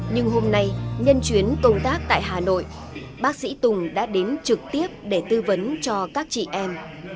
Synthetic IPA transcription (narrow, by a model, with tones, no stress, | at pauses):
ɲɨ˧ŋɦo˧mna˧jɲə˧nt͡ɕwi˨˦ənkə˧wmt̪aː˦˥k̚t̪a̰ː˧˨jɦaː˨˩no̰˧˨j | ɓaː˦˥k̚sḭ˧˥t̪ʊ˨˩ŋ͡mɗa̰ː˧˥ɗe˨˦nt͡ɕɨ˨˩k̚t̪i˦˥əp̚ɗe˧˩t̪ɨ˧və˨˦nt͡ɕɔ˧kaː˦˥k̚t͡ɕḭ˧˨ʔɛ˧m